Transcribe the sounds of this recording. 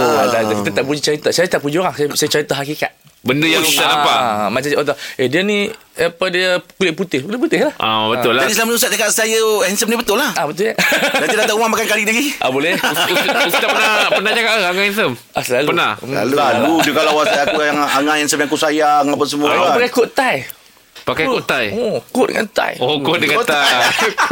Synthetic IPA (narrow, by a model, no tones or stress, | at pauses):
aakit̪at̪aʔpud͡ʒit͡ʃaɾit̪asajat̪aʔpud͡ʒioɣaŋsajsajət͡ʃaɾit̪aɦakika̰t̪̚ | bəndəjaŋuanapamãt͡ʃaʔot̪aediənĩapədiəkulɪʔput̪ɪhkulɪʔp̬ut̪ɪhlahʔa̰bət̪ʊlaadisəlamənusat̪̚akaʔsajəhɛnsəmnibət̪ʊlahabət̪ʊladanidaaʔumamakankalidəɡiʔabolɛhpt̪apənapənaht͡ʃakaʔəaŋaɛnsəm | ʔasəlalupənaa̰lualud͡ʒukalawasajkuaŋaŋãɛnsəmjaŋakusajaŋapas̬əmuaapakakoʔt̪aj | pakakoʔt̪ajokoʔdə̰ŋa̰nt̪a̰jokoʔdəŋat̪a